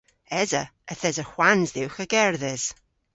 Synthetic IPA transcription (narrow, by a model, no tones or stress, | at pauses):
ɛzəəθɛzəhwanzðɪwxəɡ̥ɛɹðɪz̥